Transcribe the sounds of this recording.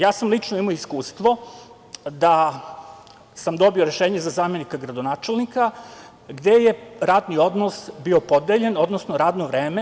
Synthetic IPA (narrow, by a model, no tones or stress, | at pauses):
jaːsamlit͡ʂnoimoiskuːst̪ʋo̞ | d̪a | samd̪o̞bio̞ɾeʃeːɲezazaːme̞nikaɡɾad̪onaːt͡ʃelnika | ɡd̪e̞jeɾaːd̪nio̞d̪nosbio̞po̞d̪eʎeno̞d̪nosnoɾaːd̪noʋɾeːme